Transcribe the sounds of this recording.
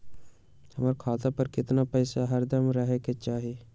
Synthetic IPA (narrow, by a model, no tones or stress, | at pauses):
hɐmaɾkʰaːt̪apɐɾkɪt̪napɐɪsaɦɐɾd̪ɐmɾɐɦeket͡ʃaːɦie